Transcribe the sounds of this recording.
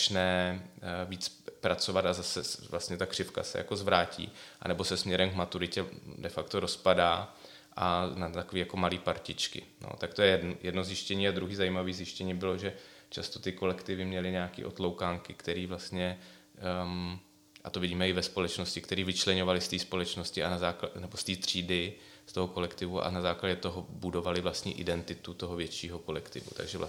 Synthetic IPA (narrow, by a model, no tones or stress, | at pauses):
t͡ʃnɛː | viːt͡spɾat͡so̞vat̪azasɛvlast̪ɲɛt̪akr̥ɪfka̰sɛ̰ja̰ko̞zvɾaːcʰḭːʔa̰nɛbo̞sɛsmɲɛɾɛmkmat̪uɾɪcɛdɛfakt̪oɾo̞spadaː | ʔanat̪akoviːjako̞maliːpaɾcɪt͡ʃkɪ̰no̰t̪akt̪o̞jɛjɛjʔɛdnozjɪʃcɛɲiːad̪ɾuɦiːzajimaviːzjɪʃcɛɲiːbɪlo̞ʒɛt͡ʃast̪o̞t̪ɪko̞lɛkt̪ɪvɪmɲɛlɪɲɛakḭːʔo̞̰t̪lowkaːŋkɪkt̪ɛɾiːvlast̪ɲɛ | ʔa̰t̪o̞vɪɟiːmɛɪvɛspo̞lɛt͡ʃno̞scɪkt̪ɛɾiːvɪt͡ʃlɛɲovalɪst̪iːspo̞lɛt͡ʃno̞scɪanazaːknɛbo̞st̪iːt̪r̝̥iːdɪ | st̪o̞ɦoko̞lɛkt̪ɪvuʔa̰nazaːklaɟɛt̪oɦobudo̞valɪvlast̪ɲḭʔɪdɛnt̪ɪt̪ut̪o̞ɦovjɛt͡ʃiːɦoko̞lɛkt̪ɪvṵt̪a̰ɡʒɛvla̰